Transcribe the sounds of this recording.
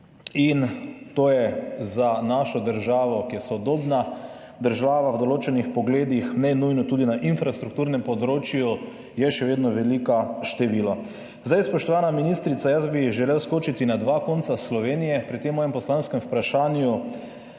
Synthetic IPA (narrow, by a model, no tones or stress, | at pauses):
int̪oːjɛzanaʃɔd̪əɾʒaːʋɔkiɛsɔd̪oːbna | d̪əɾʒaːʋawd̪ɔloːt͡ʃɛnixpɔɡleːd̪ixnɛnujnɔt̪uːd̪inaʔinfɾast̪ɾukt̪uːɾnɛmpɔd̪ɾoːt͡ʃju | jɛʃɛʋeːd̪nɔʋɛlikaʃt̪ɛʋila | zd̪ajspɔʃt̪ɔʋaːnaminist̪ɾit̪sajazbiʒɛlewskoːt͡ʃit̪inad̪ʋaːkont̪saslɔʋeːnijɛpɾit̪emːɔːjɛmpɔslanskɛmupɾaʃaːnju